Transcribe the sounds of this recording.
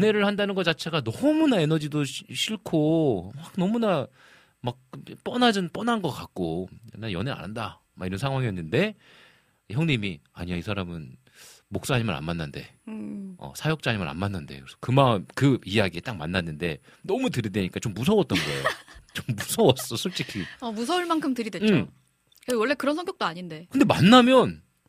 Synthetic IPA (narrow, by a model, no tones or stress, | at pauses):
jʌne̞ɾɯɭhandanɯnɡʌt͡ɕat͡ɕʰe̞ɡanʌmunae̞nʌd͡ʑidoɕʰiɭkʰomak̚nʌmuna | mak̚p͈ʌnad͡ʑɯnp͈ʌnanɡʌk͈ak̚k͈oenːajʌne̞a̰nɾanda | maɡiɾʌnsʰaŋɦwaŋiʌnːɯnde̞ | çjʌŋɲimia̰ɲiaisʰaɾamɯn | mok̚s͈aɲimaɾa̰nmanːande̞̰ | ʌ̰sʰajʌk̚t͡ɕ͈aɲimaɾa̰nmanːɯnde̞̰kɯɾesʰʌkɯmaɯmkɯijaɡiet͈ak̚manːanːɯnde̞ | nʌmutɯɾidweɲik͈at͡ɕomːusʰʌwʌt͈̚ʌnɡʌ̰ejot͡ɕomːusʰʌwʌs͈ʌsʰuɭt͡ɕ͈ikʰiʌmusʰʌuɭmankʰɯmtɯɾidweɯt͡ɕo | kewʌɭːe̞kɯɾʌnsʰʌŋɡjʌk̚t͈oaɲinde̞kɯnde̞manːamjʌn